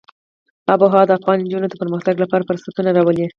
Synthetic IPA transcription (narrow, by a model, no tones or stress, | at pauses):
aboɦɑd̪əafɣɑnnd͡ʒunod̪əpəɾməxt̪aɡlapɑɾapəɾsat̪unaɾɑwəle